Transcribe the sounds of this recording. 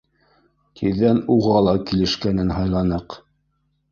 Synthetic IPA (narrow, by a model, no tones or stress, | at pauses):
t̪ʰiɾːænuʁɑlˠɑkilɘ̆ʃkænɘnhɑjlˠɑnɤq